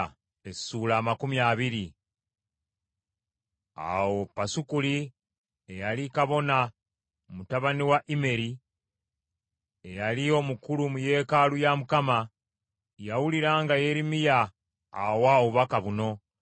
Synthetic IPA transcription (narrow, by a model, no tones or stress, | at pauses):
essulaːmakumjaːβiɾi | a̰wo̞pːasukuli | ejalikaβo̞na | mutaβaniwaʔime̞ɾi | ejalio̞mukulumuje̞ːkalujamukama | jawuliɾaːŋɡaje̞ɾimija̰ː | wawuβakaβuno̞